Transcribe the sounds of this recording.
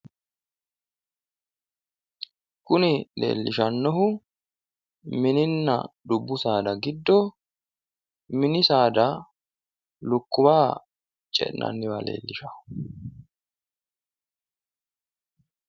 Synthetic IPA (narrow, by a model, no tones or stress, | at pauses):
kʊnɪlḛːlːɪʃɐnːɔɦʊ | mɪnɪnːɐ̰d̪ʊbːʊsaːd̪ɐɡɪd̪ːɔ | mɪnɪsaːd̪ɐ | lʊkːʊbaː | t͡ʃʼɛ̰ʔnʔɐ̰nːɪwɐlḛːlːɪʃɐhʊ̥